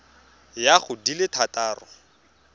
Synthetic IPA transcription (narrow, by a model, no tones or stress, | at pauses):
jaχʊdilɪtʰataːrɔ